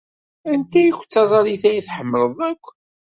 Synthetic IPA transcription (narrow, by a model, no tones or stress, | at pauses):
ænt̪æjikʷːt͡sːɑzˤɑliθæjiθħəmːələðˤækʷː